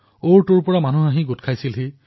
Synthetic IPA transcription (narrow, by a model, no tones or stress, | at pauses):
oɹtuɹpɔɹamanuaɦĩɡotkʰajsilɦe